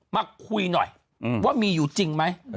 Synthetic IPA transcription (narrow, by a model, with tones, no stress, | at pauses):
maː˧kʰu˧jnɔ̰˨˩j | waː˥˩miː˧juː˨˩t͡ɕi˧ŋma˦˥j